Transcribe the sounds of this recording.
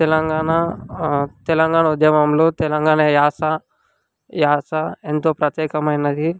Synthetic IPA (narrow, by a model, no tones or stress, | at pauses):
t̪elɐŋɡaːɳa | t̪elɐŋɡaːɳɐud̪jɐmɐmlot̪elɐŋɡaːɳɐjaːsa | jaːsaent̪opɾɐt̪jeːkɐmɐjnɐd̪ʱi